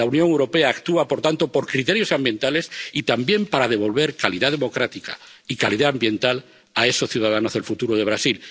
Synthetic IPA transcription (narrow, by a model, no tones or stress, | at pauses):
aunjoŋewɾo̞peaːkt̪uapo̞ɾt̪ant̪opo̞ɾkɾit̪e̞ɾjo̞sambje̞nt̪ale̞sit̪ambje̞mpaɾað̞e̞β̞o̞lβ̞e̞ɾkaliðað̞emo̞kɾat̪ika̰ | ikaliðaːmbje̞nt̪al | ae̞sosθjuðað̞anozðe̞lfut̪uɾoð̞e̞β̞ɾasil